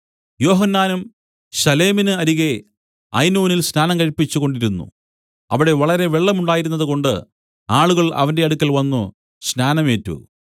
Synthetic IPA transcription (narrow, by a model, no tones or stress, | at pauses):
jo̞ːɦɐnːaːnum | ɕɐle̞ːminɨɐɾiɣe̞ | ɐ̰jnuːnilsnaːnɐmkɐɻipːit͡ɕːuɣo̞ɳɖiɾunːṵ | ɐʋiɽe̞ʋɐɭɐɾe̞ʋeɭːɐmuɳɖaːjiɾunːɐðɨko̞ɳɖɨ̰ | aːɭuɣɐɭɐ̰ʋɐnde̞ɐɽukʲːɐlʋɐnːu | ɕnaːnɐme̞ːtːṵ